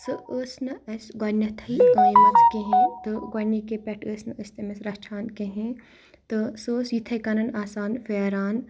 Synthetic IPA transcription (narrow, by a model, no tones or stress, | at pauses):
sɨəːsnɐɐsɡɐnɐt̪ʰɐikãːjɐmɐt͡skeɦẽt̪ɨɡɐnikepʲɛʈʰəːsnɐəst̪emesɾɐt͡ʃʰaːnkeɦẽ | t̪ɨsoːsjit̪ʰɐjkɐnɐnaːsaːnfeːɾaːn